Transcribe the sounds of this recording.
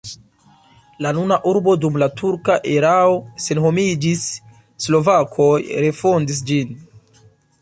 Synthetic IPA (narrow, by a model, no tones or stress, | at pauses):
lanunaʔuɾbo̞dumlatʰuɾkaʔeɾao̞se̞nɦo̞mid͡ʒisː | lo̞vakʰo̞jɾe̞fo̞ndis̬d͡ʒin